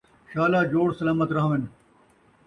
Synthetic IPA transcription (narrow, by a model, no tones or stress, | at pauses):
ɕaːlaːd͡ʑoːɽsɐlaːmɐt̪ɾɐɦɐ̃ʋen